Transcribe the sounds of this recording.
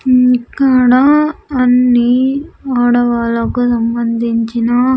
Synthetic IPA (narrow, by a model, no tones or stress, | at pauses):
kaɽaɐnːiaːɽɐʋaːlokːɯsɐmbɐnd̪ɪɲt͡ʃinaː